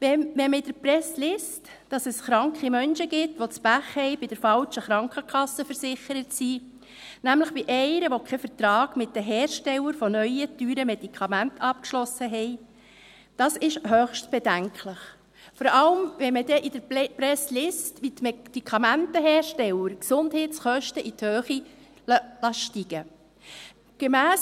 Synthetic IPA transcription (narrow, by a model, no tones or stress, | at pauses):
ʋɛʋɛməid̥əɾpɾɛslɪst | d̥ɑsɛsχɾɑŋkχimœnʃəɡɪtʋot͡sb̥æχhɛɪbɪd̥əɾfɑlʃəχɾɑŋkʰəkʰɑsəfəɾsɪχəɾətsiː | næmləχb̥iʔɛɪɾəʋokʰɛfəɾtɾɑːɡ̥mɪt̚dəɦɛːɾʃtɛlːəɾfɔnœʏətyːɾəmɛd̥ikʰɑmæntʰɑp̚kʃlɔsəɦɛɪ | d̥ɑːsɪʃhœːχʃtb̥ɛdæŋkʰləχ | fɔɾɑləmʋɛməd̥ɛʔid̥əɾpɾɛslɪstʋit̪mɛd̥ikʰɑmæntəɦɛːɾʃtɛləɾksʊnd̥hɛːtt͡sχœʃtəʔithøːχi | lɑʃtiɡ̥ə | ɡ̥emæːs